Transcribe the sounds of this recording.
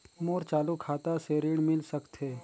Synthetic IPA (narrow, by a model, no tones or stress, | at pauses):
moːɾt͡ʃaːlukʰaːt̪aseɾɪɽ̃mɪlsəkt̪ɦeː